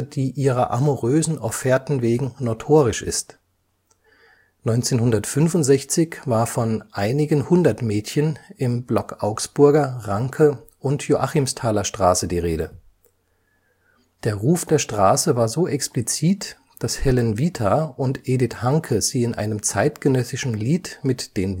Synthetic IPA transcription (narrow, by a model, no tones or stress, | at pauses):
d̥iːʔiːʁɐʔamuʁøːzn̩ʔɔfɛːɐtn̩veːɡŋ̩notʰoːʁɪʃʔɪ̰st | nɔʏnt͡seːnhʊndɐtfʏnfʊntz̥ɛçt͡sɪçv̥aːɐfɔnʔaɪnɪɡənhʊndɐtmɛːtçənɪmblɔkʔaʊksb̥ʊɐɡɐʁaŋkʰə | ʔʊntjoʔaχɪmstʰaːlɐʃtʁ̥aːsədiːʁeːdə | d̥eːɐʁuːfd̥eːɐʃtʁ̥aːsəvaːɐzoːʔɛksplit͡siːt | d̥ashɛlɛnviːtʰaʊntʔeːdɪthaŋkʰəz̥iːɪnʔa̰ɪnəmt͡saɪtɡ̥ənœsɪʃn̩liːtmɪtd̥eːn